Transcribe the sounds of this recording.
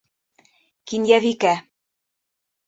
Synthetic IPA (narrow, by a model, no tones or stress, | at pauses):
kinjævikæ